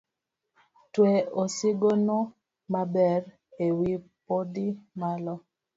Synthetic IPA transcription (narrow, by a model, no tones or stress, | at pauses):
tweosiɡono | mabɛr | ewipodimalɔ